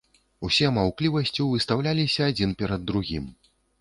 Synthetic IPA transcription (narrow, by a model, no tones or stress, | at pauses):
usʲɛmawklʲivɐsʲt͡sʲiwvɨst̪awlʲalʲisʲɐːd͡zʲinpʲɛɾɐd̪ːɾuɣʲḭm